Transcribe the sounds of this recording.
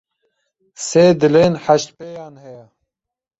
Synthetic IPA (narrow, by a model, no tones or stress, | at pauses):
seːd̪ɨleːnħaʃt̪peːjɑːnhɛjɛ